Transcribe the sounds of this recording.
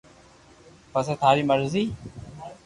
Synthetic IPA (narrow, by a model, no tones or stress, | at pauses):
pəseːt̪ʰaːɾiːməɾziː